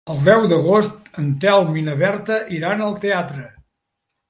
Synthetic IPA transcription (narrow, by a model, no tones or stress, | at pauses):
əlˠd̪ɛwd̪əɣost̪ənt̪ɛlˠminəβɛɾt̪əʔiɾanəlˠt̪eat̪ɾə